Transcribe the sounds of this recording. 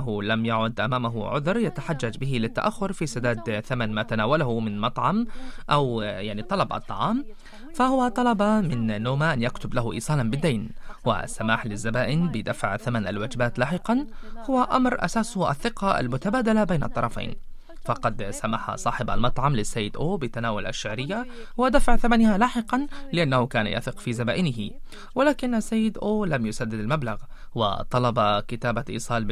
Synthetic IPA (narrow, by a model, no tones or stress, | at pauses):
ɦʊlamjaʕʊd̪ʔamaːmaɦʊʕʊðɾˤjat̪aħad͡ʒːad͡ʒbɪɦɪlɪt̪ːa̰ʔaxːʊɾfisad̪aːd̪θamanmaːt̪anaːwalahʊmɪnmɑt̪ˤʕɑmʔawjaʕnit̪ˤːɑlɑbʔɨ̰t̪ˤːɑ̰ʕɑːm | fahʊwat̪ˤɑlɑbɑmɪnːoːmaʔanjakt̪ʊblahʊʔḭːsˤɑːlɑnbɪd̪ːajnwa̰sːamaːħlɪzːabaːʔɪnbɪd̪afʕθamanalwaːd͡ʒɪbaːt̪laːħɪqɑnhʊwːaʔamɾʔa̰saːshʔa̰θːɪqɑʔa̰lmʊt̪abaːd̪alabeːnʔɑt̪ˤːɑɾˤɑfa̰ːn | fɑqɑd̪samaħa̰sˤɑːħɪba̰lmɑt̪ˤʕɑmlɪsːajːɪd̪ʔoːbɪt̪anaːwʊlʔa̰ʃːɪʕɾɪjːawɪd̪afaʕθamanhalaːħɪqɑnlɪʔanːahʊkaːna̰jʔa̰θɪqfiːzabaːʔɪnɪɦɪ | wɪlaːkɪnasːajːɪd̪ʔoːlamjʊsad̪ːɪd̪almablaɣ | wɪ̰t̪ˤɑlɑbakɪt̪aːbaʔḭːsˤɑːl